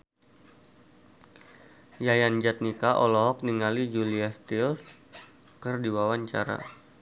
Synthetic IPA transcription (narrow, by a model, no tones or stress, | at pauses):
jajand͡ʒat̪̚nikaʔɔlɔɦɔk̚niŋalid͡ʒuliast̪iɔs | kərdiwawaɲt͡ʃa̰ɾa̰